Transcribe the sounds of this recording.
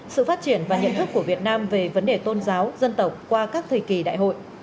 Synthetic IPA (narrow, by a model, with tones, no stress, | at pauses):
sɨ̰˧˨faː˦˥t̚t͡ɕi˧˩ənvaː˨˩ɲə̰˧˨nt̪ɨ˦˥kːu˧˩əvi˨˩ət̚naː˧mve˨˩və˨˦nɗe˨˩t̪o˧nzaː˨˦wzə˧nt̪ə˨˩wk͡p̚kwaː˧kaː˦˥k̚t̪ʰə˨˩jki˨˩ɗa̰ː˧˨jɦo̰˧˨j